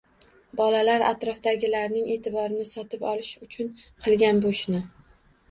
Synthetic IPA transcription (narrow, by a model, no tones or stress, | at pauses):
bɒlalaɾa̰t̪ɾɒfd̪aɡʲɪlaɾnɪŋe̞ːt̪ʰɪbɒɾɪnɪsɒt̪ɪpɒlɪʃʊt͡ʃʰʊnqʰɨlˠɡʲanboʃnɪ